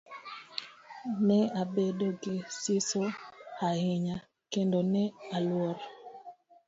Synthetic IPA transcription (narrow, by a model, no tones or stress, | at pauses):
nɛabedoɡɪsɪsohahɪɲa | kendonɛalwɔɾ